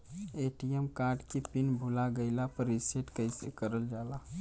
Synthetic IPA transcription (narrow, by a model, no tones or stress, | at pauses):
eːʈijəmkaːɾɖkipinbʱʊlaɡəɪlapəɾiseʈkəisḛkəɾəld͡ʒaːla